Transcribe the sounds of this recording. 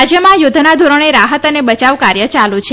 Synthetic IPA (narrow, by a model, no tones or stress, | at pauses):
d͡ʒjəmãjod̪ʱnad̪ʱoɾəɳ̃eɾaɦət̪ənebət͡ʃaʋkaɾjət͡ʃalut͡ʃʰe